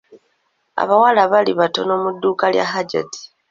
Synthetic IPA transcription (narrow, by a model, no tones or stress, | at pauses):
a̰βawalaβaliβato̞no̞ːmudːuːkalja̰ɦaɟa̰ti̥